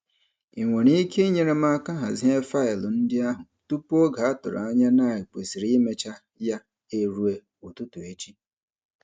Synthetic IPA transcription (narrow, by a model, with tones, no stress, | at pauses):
i˨ŋʷe˨ni˦i˦kʰe˦i˦ɲe˨ɾe˦ma˦ka˦ɦa̰˨zi˦ɦe˦fa˦ɪ˨lʊ˨n̩˦dɪ˦a˦ɦʊ˨tu˦pu˦o˦ɡa˨a˦tʊ˨ɾʊ̰˨a˦ɲa˦na˦˨i˨k͡pe˨si˨ɾi˦me˦t͡ʃa˦ | ja˦ | e˦ɾu˨e˦ | o˨tu˦tu˨e˦t͡ʃi˦